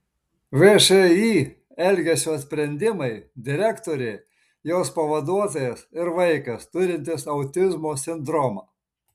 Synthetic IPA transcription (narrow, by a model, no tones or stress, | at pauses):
ʋeʃeiː | ɛlʲɡʲɛsʲuːt̪sʲpʲɾʲɛnʲd̪ʲɪmɐɪd̪ʲɪɾʲækt̪oːɾʲɛɪ | joːspɐʋɐd̪uɔt̪oːjɛsɪɾʋɐɪkɐst̪ʊɾʲɪnʲt̪ʲɪsɐʊt̪ʲɪzmoːsʲɪnd̪ɾɔmɐː